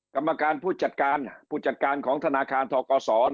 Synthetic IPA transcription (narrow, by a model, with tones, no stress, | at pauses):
ka˧mːa˧kaː˧npʰuː˥˩t̪̚t͡ɕa˨˩t̪̚kaː˧npʰuː˥˩t͡ɕa˨˩t̪̚kaː˧nkʰɔː˩˦ŋt̪ʰa˧naː˧kʰaː˧nt̪ʰɔː˧kɔː˧sɔː˩˦